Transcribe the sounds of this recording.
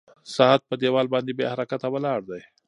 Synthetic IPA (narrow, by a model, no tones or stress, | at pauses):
sɑɦat̪̚pəd̪ewɑlbɑnd̪ebḛhaɾakat̪awalɑɽd̪aj